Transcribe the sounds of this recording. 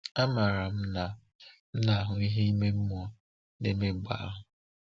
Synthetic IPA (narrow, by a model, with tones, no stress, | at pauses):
a˦ma˨ɾa˨m̩˦na˨ | m̩˦na˨a˦ɦʊ˨i˦ɦe˦i˦me˦m̩˦m˦ɔ˦ | ne˦me˦ɡ͡ba̰˨a̰˦ɦʊ˨